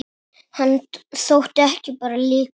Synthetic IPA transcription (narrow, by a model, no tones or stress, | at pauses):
hanθowht̪ɛhcɪpaːɾalɪː